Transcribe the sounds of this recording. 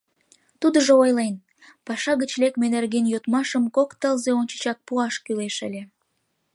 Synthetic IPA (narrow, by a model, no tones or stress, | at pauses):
t̪ud̪əʒoojlen | pɑʃɑɣət͡ɕlekmenerɣenjot̪mɑʃəmkokt̪əlzeonʲt͡ɕə̥t͡ɕɑk̚puɑʃkyleʃə̰lʲe